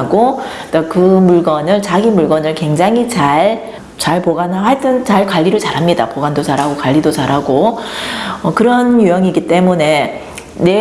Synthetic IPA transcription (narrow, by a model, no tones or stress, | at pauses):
ɡot͈akɯmuɭɡʌnɯɭt͡ɕaɡimuɭɡʌnɯɭkwe̞ŋd͡ʑaŋɦit͡ɕaɭ | t͡ɕaɭpoɡanaɦaɭt͈ɯnt͡ɕaɭkwaʎːiɾɯɭt͡ɕaɾɦamɲidapoɡandot͡ɕaɾɦaɡokaʎːidot͡ɕaɾɦaɡo | ʌkɯɾʌnjujʌŋiɡit͈e̞mune̞ | ne̞